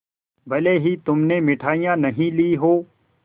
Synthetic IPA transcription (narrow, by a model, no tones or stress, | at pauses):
bɐleːɦit̪ʊmnemɪʈʰaːijãːnɐɦĩliɦoː